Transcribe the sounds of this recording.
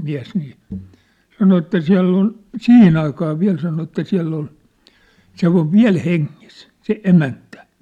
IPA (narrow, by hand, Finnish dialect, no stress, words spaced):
miæ̝s niː sɑno etːæ siæ̝lː on sihin ɑikɑː ʋiæ̝l sɑno etːæ siæ̝lː ol se oʋ ʋiæ̝l heŋːis se emæntæ